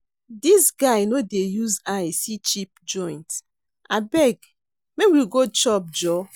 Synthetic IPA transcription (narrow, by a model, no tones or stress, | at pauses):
disɡaɪnodejuzasit͡ʃip̚d͡ʒɔ̃ɪ̃nt | abɛɡ | mekwiɡot͡ʃɔp̚d͡ʒɔ